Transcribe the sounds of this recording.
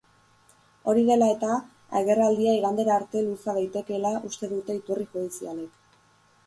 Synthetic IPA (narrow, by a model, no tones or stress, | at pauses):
o̞ɾiðe̞lae̞t̪a | a̰ɣe̞rald̪iaiɣand̪eɾaːɾt̪e̞lusaðajt̪e̞ke̞laʔust̪e̞ðut̪e̞it̪urixuðisialek